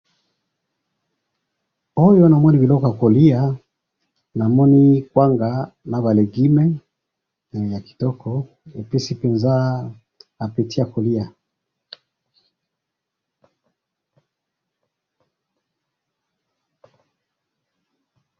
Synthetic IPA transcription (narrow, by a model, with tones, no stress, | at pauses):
o˦jɔ˦na˨mɔ˦ni˨βi˨lɔ˦kɔ˦ja˨ko˨li˦a˨ | na˨mɔ˦ni˦kwa˦ŋɡa˨na˨βa˨le˨ɡi˦mɛ˦˨ | ja˨ki̥˨tɔ˦kʰɔ˨ | e˨pi˦si˦pɛ˨nzaː˦˨ | pi˨ti˦a˨ko˨li˦a˨